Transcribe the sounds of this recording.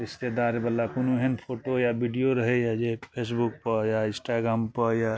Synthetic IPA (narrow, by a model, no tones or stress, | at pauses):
ɾɪst̪ed̪aːɾebəlːakunuɦɛnpʰoːʈojabiɖijoɾəɦejad͡ʒepʰeːs̬buk̚pəɾjaɪ̃sʈaɡɾaːmpəɾja